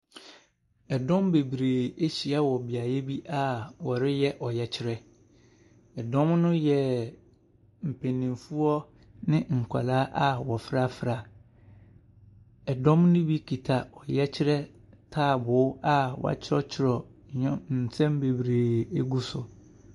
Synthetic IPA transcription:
ɛ˨dɔ̃˦mbe˨bɾeː˨e˦ɕi˨a˦wɔ˨bi˨a˨jɛ˦bi˦ʔa˦wɔ˨ɾɪ˦jɛ˦ʔɔ˨jɛ˨t͡ɕʰɪ˦ɾɛ˦ | ɛ˨dɔ̃˦mnʊ̃˦jɛ˨ | m̩˨pʰẽ˨nːɪ̃˨mfu˦ɔ˦ | nɪ̃˦ŋ̩˨kʷʰa̰˨laː˦ʔa˦wɔ˨fɾa˦fɾa˨ | ɛ˨dɔ̃˦mnʊ̃˦bi˦kʰi˨tʰa˨ɔ˨jɛ˦t͡ɕʰɪ˦ɾɛ˦ | tʰaː˦˨bʊ˨˦a˦w̰a̰˨t͡ɕʰɪ˦ɔ˦t͡ɕʰɪ˦ɾɔ˨ɲɛ̃˦n̩˨sʰɛ̃˦mbe˨bɾeː˨e˦ɡu˦sʊ˨

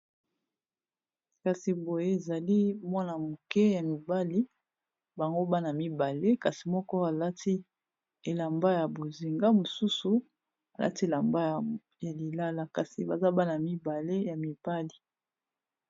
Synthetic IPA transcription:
ka˨si˨bo˨je˦e˨za˨li˦mwɔ˦na˨mo˨kɛ˦ja˨mi˨ba˦li˦ | ba˨ŋɡo˦ba˦na˨mi˦ba˨le˦ka˨si˨mɔ˦kɔ˦a˨la˦ti˦ | e˨la˨mba˦ja˨bo˨zi˨ŋɡa˦mo˨su˦su˨ | a˨lʔa̰˦ti˦e˨la˨mba˦˨ | ja˨li˨la˦la˨ka˨si˨ba˨za˦ba˦na˨mi˦ba˨le˦ja˨mi˨b̥a˦li˨

